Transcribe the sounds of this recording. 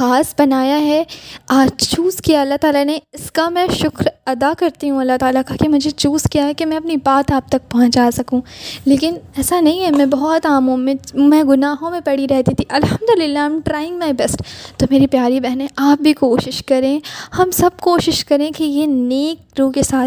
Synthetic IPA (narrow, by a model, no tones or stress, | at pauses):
xaːsbɐnaːjaɦɛaːd͡ʒt͡ʃuːzkijaɐlːaɦt̪aːlaneɪskamɛ̃ʃʊkɾɐd̪akɐɾt̪iɦũɐlːat̪aːlakakemʊd͡ʒʱet͡ʃuːzkijaɦɛkemɛ̃ɐpnibaːt̪aːp̚t̪ɐk̚pɐɦɔ̃t͡ʃaːsɐkũːleːkɪnɛːsanɐɦĩɦɛmɛ̃bɔɦɔt̪aːmɦũmẽmɛ̃ɡʊnaːɦõmẽpɐɽ̤iɾɛɦt̪it̪ʰiʔɐlhɐmd̪ʊlɪlːaãɪ̃mʈɾaːɪ̃ŋɡmaɪbɛsʈt̪oːmeːɾipjaːɾibɛɦnẽʔaːp̚bʱikoːʃɪʃkɐɾẽːhɐmsɐb̚koːʃɪʃkɐɾẽkijeneːkɾuːkesaːt̪